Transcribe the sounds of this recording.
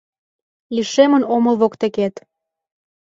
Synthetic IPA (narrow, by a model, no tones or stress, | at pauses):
liʃemənoməlβokt̪eket̪